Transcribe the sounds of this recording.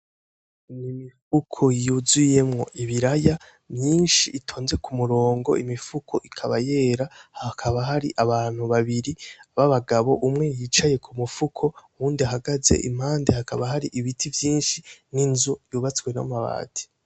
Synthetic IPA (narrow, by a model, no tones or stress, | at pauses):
nimifukʰo̞juzuje̞mŋo̞̰ʔiβiɾaja | mɲiːnʃiːtʰo̞ːnze̞kumuɾo̞ːŋɡo̞̰ʔimifukʰo̞ʔikʰaβaje̞ːɾahakʰaβaɦaɾḭʔaβaːn̥huβaβiɾiaβaβaɡaβo̞ʔumŋe̞jiːt͡ʃaje̞kʰumufukʰo̞ | uːndiaɦaɡaze̞̰ʔḭm̥haːnde̞hakaβaɦaɾiʔiβitʰivjiːnʃininzujuːβat͡swe̞no̰maβa̰ːtʰi̥